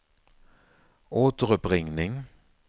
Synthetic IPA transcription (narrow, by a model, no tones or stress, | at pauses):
ʔoːt̪əʁʉpʁɪŋnɪŋ